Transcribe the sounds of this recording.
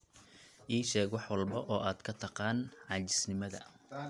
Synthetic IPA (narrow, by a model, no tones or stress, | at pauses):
ʔiːʃɛːɡwɑħwɑlbɐʔɔːʔaːd̪kʰɐt̪ʰɑqɑːnʕɑːt͡ʃɪ̥snɪmɐðɐ̰